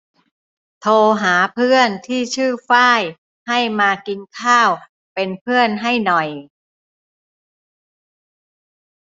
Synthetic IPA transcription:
t̪ʰoː˧ɦaː˩˦pʰɯ˥˩ənt̪ʰiː˥˩t͡ɕʰɯː˥˩faː˥˩j | ha˥˩jmaː˧ki˧nkʰaː˥˩w | pe˧npʰɯ˥˩ənɦa˥˩jnɔ˨˩j

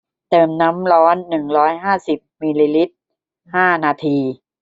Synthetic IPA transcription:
t̪ɤː˨˩mna˦˥mlɔː˦˥nːɯ˨˩ŋɾɔː˦˥jɦaː˥˩si˨˩p̚miː˧liː˧li˦˥t̪̚ | haː˥˩naː˧t̪ʰiː˧

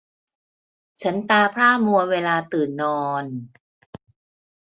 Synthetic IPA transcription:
t͡ɕʰa˦˥nt̪aː˧pʰɾaː˥˩mu˧ɐweː˧laː˧t̪ɯː˨˩nːɔː˧n

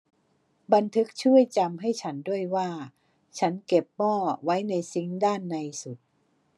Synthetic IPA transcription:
ba˧nt̪ʰɯ˦˥k̚t͡ɕʰu˥˩əjt͡ɕa˧mɦa˥˩jt͡ɕʰa˦˥ndu˥˩əjwaː˥˩ | t͡ɕʰa˦˥nke˨˩p̚mɔː˥˩wa˦˥jna˧jsi˨˦˥ŋdaː˥˩nːa˧jsu˨˩t̪̚

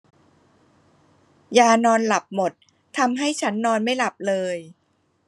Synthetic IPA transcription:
jaː˧nɔː˧nla˨˩p̚mo˨˩t̪̚ʰː | a˧mɦa˥˩jt͡ɕʰa˦˥nːɔː˧nma˥˩jla˨˩p̚lɤː˧j

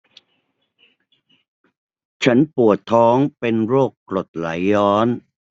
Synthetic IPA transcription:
t͡ɕʰa˦˥npu˨˩ət̪ʰːɔː˦˥ŋpe˧nɾoː˥˩kːlo˨˩t̪̚la˩˦jːɔː˦˥n

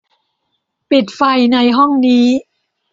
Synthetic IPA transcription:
pi˨˩t̪̚fa˧jna˧jɦɔ˥˩ŋniː˦˥

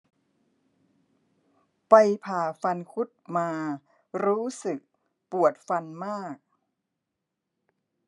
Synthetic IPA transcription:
pa˧jpʰaː˨˩fa˧nkʰu˦˥t̪̚maː˧ | ɾuː˦˥sɯ˨˩k̚ | pu˨˩ət̪̚fa˧nmaː˥˩k̚

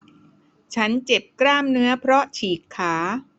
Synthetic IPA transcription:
t͡ɕʰa˦˥nt͡ɕe˨˩p̚kɾaː˥˩mnɯ˦˥ɐpʰɾɔ˦˥t͡ɕʰiː˨˩kʰːaː˩˦

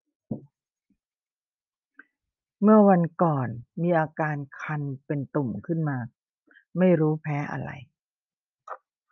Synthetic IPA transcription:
mɯ˥˩ɐwa˧nkɔː˨˩nmiː˧ʔaː˧kaː˧nkʰa˧npe˧nt̪u˨˩mkʰɯ˥˩nmaː˧ | ma˥˩jɾuː˦˥pʰɛː˦˥ʔa̰˧ɾa̰˧j

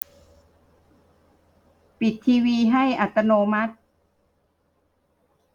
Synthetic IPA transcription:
pi˨˩t̪ʰːiː˧wiː˧ɦa˥˩jʔa˨˩t̪ːa˧noː˧ma˦˥t̪̚

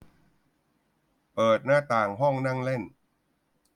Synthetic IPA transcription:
pɤː˨˩t̪̚naː˥˩t̪aː˨˩ŋɦɔ˥˩ŋna˥˩ŋle˥˩n

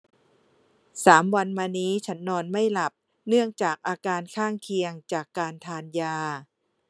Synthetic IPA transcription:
saː˩˦mwa˧nmaː˧niː˦˥t͡ɕʰa˦˥nːɔː˧nma˥˩jla˨˩p̚ | nɯ˥˩əŋt͡ɕaː˨˩k̚ʔaː˧kaː˧nkʰaː˥˩ŋkʰi˧əŋt͡ɕaː˨˩kːaː˧nt̪ʰaː˧njaː˧

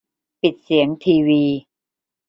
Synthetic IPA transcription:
pi˨˩t̪̚si˩˦əŋt̪ʰiː˧wiː˧

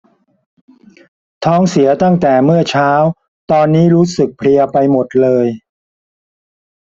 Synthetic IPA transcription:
t̪ʰɔː˦˥ŋsi˩˦ɐt̪a˥˩ŋt̪ɛː˨˩mɯ˥˩ɐt͡ɕʰaː˦˥w | t̪ɔː˧nːiː˦˥ɾuː˦˥sɯ˨˩k̚pʰli˧ɐpa˧jmo˨˩t̪̚lɤː˧j

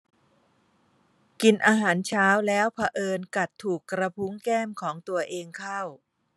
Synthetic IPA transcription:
ki˧nʔaː˧ɦaː˩˦nt͡ɕʰaː˦˥wlɛː˦˥wpʰa˧ʔɤː˧nka˨˩t̪ʰːuː˨˩kːɾa˧pʰu˦˥ŋkɛː˥˩mkʰɔː˩˦ŋt̪u˧ɐʔeː˧ŋkʰa˥˩w

